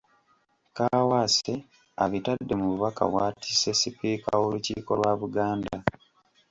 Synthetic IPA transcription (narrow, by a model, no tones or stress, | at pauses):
kawase | aβitadːe̞muβuβaka̰βwaːti̥se̞sipiːka̰oluciːko̞lwaβuɡaːnda